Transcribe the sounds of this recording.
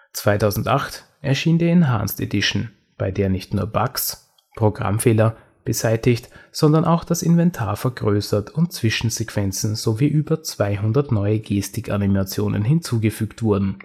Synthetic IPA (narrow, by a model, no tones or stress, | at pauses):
t͡sv̥aɪtʰaʊzn̩tʔaxt | ʔɛɐʃiːndeɐɪnɦa̰ːnstḛdɪʃn̩ | b̥aɪdeːɐnɪçtnuːɐba̰ks | pʁ̥oɡʁa̰mfeːlɐ | b̥əzaɪtɪçtz̥ɔndɐnʔaʊxd̥asɪnvɛntʰaːɐfɛɐɡʁøːsɐtʰʊntt͡sv̥ɪʃn̩zekv̥ɛnt͡sn̩z̥oviːʔyːbɐt͡sv̥aɪɦʊndɐtnɔʏəɡeːstɪkʰa̰nimat͡sjo̰ːnə̰nɦɪnt͡suːɡəfyːktv̥ʊɐdn̩